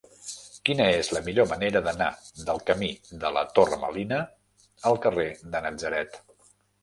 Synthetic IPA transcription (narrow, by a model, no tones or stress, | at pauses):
kinəezləmiʎoməneɾəðəna̰d̪əlˠkəmid̪ələ̰t̪orə̰mə̰linə | əlˠkəreðənəd͡zəɾɛt̪